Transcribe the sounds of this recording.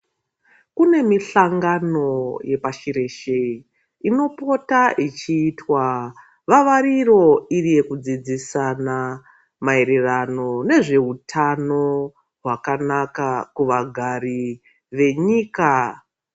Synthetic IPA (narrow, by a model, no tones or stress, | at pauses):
kune̞miɬaŋɡano̞je̞paʃiɾe̞ʃe̞i | ino̞po̞taʔit͡ʃiːtwa | ʋaʋaɾiro̞irije̞kud͡zid͡zisana | mae̞ɾe̞rano̞ne̞ʐe̞ɦutʰano̞ | ɦwakanakakuʋaɡʱari | ʋe̞ɲiːka